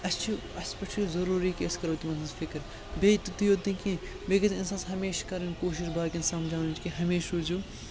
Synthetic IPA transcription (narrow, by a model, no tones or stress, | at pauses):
ɐst͡ʃʰi | ɐspekʈizɐɾuːɾikeːskɐɾoːt̪imɐnɐzfʰɪkɾ | beːt̪ut̪ijoːt̪ĩkĩ | beːkɐt̪ɪnsãːsɦɐmeːʃkɐɾɐnkoːʃɪʃbaːkinsaːmd͡ʒaːnt͡ʃkiɦɐmeːʃuːd͡ʒuː